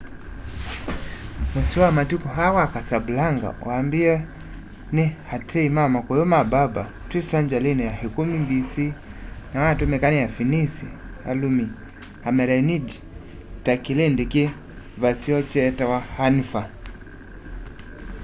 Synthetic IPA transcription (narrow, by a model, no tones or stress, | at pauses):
mɛsiwamatikɔɦawakasabulaŋɡa̰waːmbia | nɛhatʰɛimamakɔjɔmababa | twisaɲd͡ʒalinɛjahɛkumimbisinawaatumɛkanɛjafinisia̰lumi | hamɛɾainidi | takilɛndɛki | vasiɔt͡ʃɛtawahanifa